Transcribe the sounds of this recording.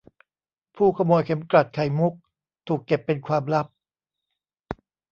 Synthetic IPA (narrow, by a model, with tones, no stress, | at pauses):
pʰuː˥˩kʰa˧mɔː˧jkʰe˩˦mkɾa˨˩t̪̚kʰa˨˩jmu˦˥k̚ | t̪ʰuː˨˩kːe˨˩pːe˧nkʰwaː˧mɾa˦˥p̚